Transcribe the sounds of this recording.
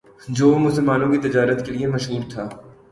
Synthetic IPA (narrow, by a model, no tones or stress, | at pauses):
d͡ʒoːmʊsəlmaːnõkit̪ɪd͡ʒaːɾət̪keliemɐʃɦuːɾt̪ʰaː